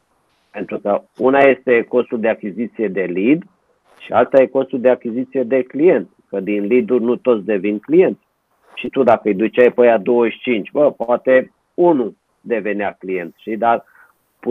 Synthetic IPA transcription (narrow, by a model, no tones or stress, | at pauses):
pe̞nt̪ɾukəunaje̞st̪e̞ko̞st̪uld̪e̞akʲizit̪sije̞d̪e̞lid̪ | ʃialt̪aje̞ko̞st̪uld̪e̞akʲizit̪sije̞d̪e̞klije̞nt̪kəd̪inlid̪urʲnut̪o̞t̪sd̪e̞vinklije̞nt̪ | ʃit̪ud̪akəɨjd̪ut͡ʃajpəjad̪o̞wəʃt͡ʃint͡ʃʲbəpoat̪e̞ | unu | d̪e̞ve̞neaklije̞nt̪ʃid̪ar | p